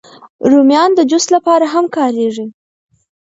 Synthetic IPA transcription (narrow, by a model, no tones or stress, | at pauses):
ɾumjɑnd̪əd͡ʒʊslapɑɾaɦamkɑɾeʐi